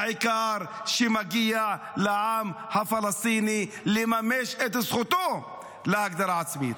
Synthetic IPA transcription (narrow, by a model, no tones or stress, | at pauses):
ʕɪkɑːɾˤʃimaɡɪjːa | lɪʕaːmhafɑlɑst̪ˤiːni | limameːʃʔet̪ɪsxʊt̪uː | laʔaɡ̚d̪ɑɾˤʕasmḭːn